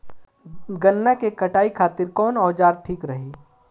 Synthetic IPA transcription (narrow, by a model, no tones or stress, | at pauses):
ɡɐnːakekɐʈaːikʰaːt̪ɪɾkɔːnɔːd͡ʒaːɾʈʰiːkɾɐɦiː